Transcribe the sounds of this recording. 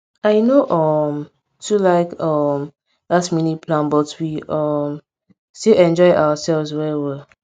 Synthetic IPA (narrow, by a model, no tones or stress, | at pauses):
aɪnoʔʌm | tulaɪkʌm | ðatminipʰlãnbɔtwiʔʌm | seʔɛ̃nd͡ʒɔɪʔa̰wəsɛlvzwɛwɛ